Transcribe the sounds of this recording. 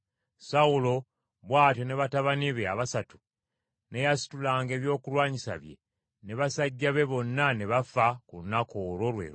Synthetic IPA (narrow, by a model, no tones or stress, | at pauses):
saulo̞ | βwaːtjo̞ne̞βataβaniβea̰βasatu̥ | ne̞jasi̥tulaːŋɡe̞ːβjo̞ːkulwaːɲisa̰βje̞̰ | ne̞βasaɟːaβe̞βo̞nːane̞βafakunːakoɾo̞lwe̞̰ːɾo